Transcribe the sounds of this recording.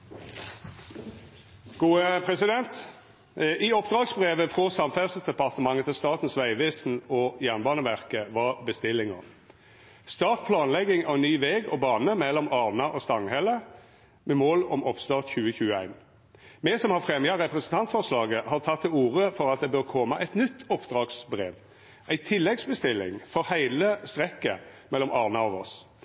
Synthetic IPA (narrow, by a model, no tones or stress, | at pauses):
ɡ̥uːəpʰʁɛsɪd̪ɛnt̪ | ʔiːɔpd̪ʁɑːɡsbʁeːʋəfʁɔsɑmfæʁsəsd̪ɛpɑʁt̪əmɑŋːət̪ʰɪlst̪ɑːt̪n̩sʋæɪʋɛːsn̩ɔjæʁnbɑːnəʋæʁkəʋɑʁbəst̪ɪlːɪŋɔ̰ | st̪ɑːt̪pʰlɑːnlɛɡɪŋæʁɛnːyːʋeːɡɔbɑːnəmɛlːɔmɑːʁnɑʔɔst̪ɑŋhɛlə | mɛmoːlɔmʔɔpst̪ɑːʁt̪çʉːəçʉːəæɪn | mɛsɔmhɑfʁɛmjɑɾɛpɾɛsn̩t̪ʰɑnt̪fɔʁslɑːɡəhɑːʁt̪ʰɑt̪ʰːɪluːʁəfɔɾɑt̪̚d̪ɛbøʁkʰɔməʔæɪt̪nʏt̪ːɔpd̪ʁɑːɡsbʁeːʋ | ʔæɪt̪ʰɪlːɛɡsbəst̪ɪlːɪ̰ŋfɔɾhæɪləst̪ʁɛkːəmɛlːɔmʔɑːʁnɑɑʋɔ̰s